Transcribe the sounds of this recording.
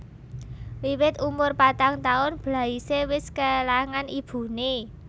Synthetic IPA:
wiwɪt̪umʊrpat̪aŋt̪aʊnb̥la̤isewɪskalaŋanib̥ṳne

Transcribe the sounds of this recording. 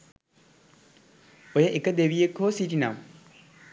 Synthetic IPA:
ojəʔekəd̪eʋijekːoːsiʈina̰m

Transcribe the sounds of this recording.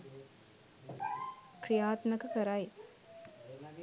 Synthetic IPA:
kɾijaːt̪məkəkəɾaj

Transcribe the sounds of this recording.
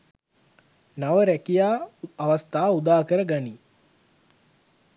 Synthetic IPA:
naʋəɾækijaːʋast̪aːud̪aːkəɾəɡani

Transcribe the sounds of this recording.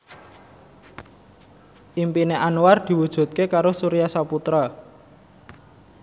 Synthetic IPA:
ʔimpineʔanward̪̥i̤wud̥ʒ̥ṳt̪̚kekaɾosuɾijasaput̪ɾa

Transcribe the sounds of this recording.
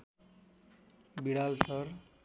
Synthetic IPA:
biɽalsʌr

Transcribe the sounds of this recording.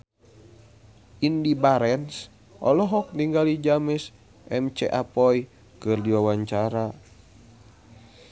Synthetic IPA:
indibaɾɛns | ʔɔ̰lɔɦɔk̚niŋɡalid͡ʒamɛs | ʔɛmt͡ʃɛ̰ʔapɔi | kɨrdiwawaɲt͡ʃaɾa

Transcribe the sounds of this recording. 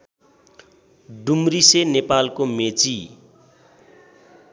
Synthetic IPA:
ɖumɾisenepalkomet͡si

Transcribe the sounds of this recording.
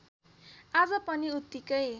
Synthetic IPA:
ad͡zʌpʌniut̪ːikʌj

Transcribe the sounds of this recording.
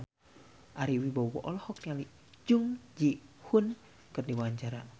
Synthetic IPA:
ʔaɾiwibɔwɔ̰ʔɔlɔhɔk̚niali | d͡ʒuŋd͡ʒihun | kərdiwaɲt͡ʃaɾa

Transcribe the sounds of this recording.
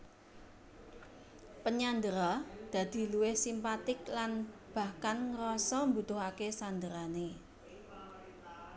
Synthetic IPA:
pəɲand̪əɾɔd̪̥ä̤d̪̥i̤luwɪhsimpat̪ɪklanb̥a̤hkanŋəɾɔsɔmbut̪ʊɦakesand̪əɾane

